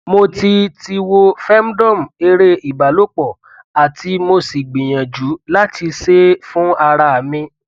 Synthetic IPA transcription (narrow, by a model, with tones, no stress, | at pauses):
mo˧ti˧ti˧wo˧fɛ˦m˦dɔ̃˦˨m̩˨e˧ɾe˦i˨ba˨lo˦k͡pɔ˨ | a˨ti˧mo˧si˨ɡ͡bĩ˨j̃ã˨d͡ʒu˨˦la˦ti˧se˦fũ˦a˧ɾa˧a˨mĩ˧